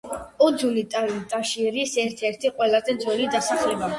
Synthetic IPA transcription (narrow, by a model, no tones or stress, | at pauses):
ɔd̪zunit̪ʼt̪ʼaʃiɾisɛɾt̪ʰɛɾt̪ʰiqʼwɛlˠazɛnd̪zwɛlid̪asaχlɛba